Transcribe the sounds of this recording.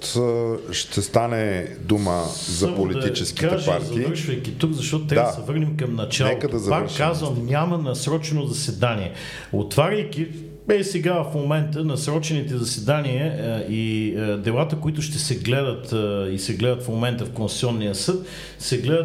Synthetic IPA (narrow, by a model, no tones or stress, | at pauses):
t̪ʃt̪ɛst̪anɛ | d̪umə̰ | szɐəpolid̪ɐtit͡ʃɛskkiaɛʒpaɾtzɐivəɾʃvəjk̟it̪ukzɐʃt̪ɔt̪ʊt̪ːɾasɛvɤɾnimkɐmnɐt͡ʃanɛotkəd̪ɐzɐpakɾʃkːazvəmnʲamɐnɐsɾɔt͡ʃɛnozɐsɛd̪aniɛ | o̰t̪vaɾʲɐjkʲi | ɛsɛɡafmomɛnt̪ənɐsɾɔt͡ʃɛnit̪ɛzɐsɛd̪aniəid̪ɛlˠat̪əkoit̪ʊʃt̪ɛsɛɡlɛd̪ət̪isɛɡlɛd̪ət̪fmomɛnt̪əfkonsʲsʲiɔnːiəsɤt̪ | sɛɡlɛd̪ə